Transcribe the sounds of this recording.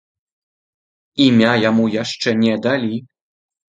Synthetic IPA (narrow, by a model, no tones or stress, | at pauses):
imʲajamujaʂt͡ʂɛnʲɛd̪alʲi